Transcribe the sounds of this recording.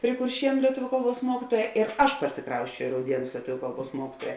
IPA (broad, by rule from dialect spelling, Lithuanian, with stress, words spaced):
pʲrʲɪ kʊrʲˈʃʲiɛnʊ lʲiɛˈtʊʋʲʊ ˈkɐlˠˌbuɔs ˈmuɔkʲɪtuɔjɛ ɪr ˈɐʃ pɐrʲsʲɪˈkrɐʊsʲt͡ʃʲɛʊ ɪ rɐʊˈdʲiɛnʊs lʲiɛˈtʊʋʲʊ ˈkɐlˠˌbuɔs ˈmuɔkʲɪtuɔjɛ